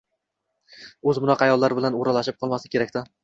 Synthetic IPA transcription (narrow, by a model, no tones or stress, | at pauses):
ɵzmʊnɒqʰɑajɒlˠːaɾɪbɪlanoɾalaʃɪp̚qʰɒlˠmasɪ̥kʲʰe̞ɾakʲt̪ɪ